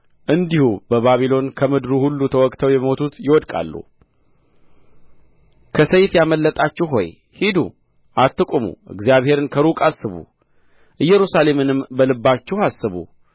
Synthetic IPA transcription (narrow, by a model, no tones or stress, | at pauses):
ʔɨnd̪ihubəβaβilo̞nkʰəmɨd̪ɾuhulːut̪ʰəwɔkʼt̪ʰəwjɛmot̪ʰut̪jɪwɔd̪kʼa̰lːṵ | kʰəsəjfjaməlːət̪ʼat͡ʃːɛɦo̞̰j | hid̪ṵ | ʔat̪ːɨkʷʼumṵʔɨ̰ɡzijaβhe̞ɾɨnkʰəɾukʼasːɨβṵ | ʔɨjːɛɾusale̞mɨnɨmbəlɨbːat͡ʃːɛhhasːɨβṵ